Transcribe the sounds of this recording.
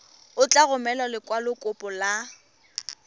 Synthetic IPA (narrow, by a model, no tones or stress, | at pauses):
ʊt͡ɬʼaɣʊmɛlɔlɪkʼwalʊkʼʊpʼɔla